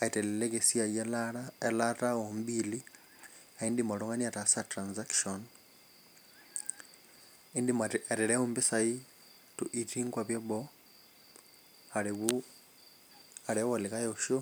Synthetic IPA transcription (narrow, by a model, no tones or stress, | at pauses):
aitelelekesiajelataombili | aindimoluŋaniatasatɾanzakʃon | indimaaɾeleombisai | tuʔitiŋɡwaβjeβo | aɾiu | aɾewolikajoʃo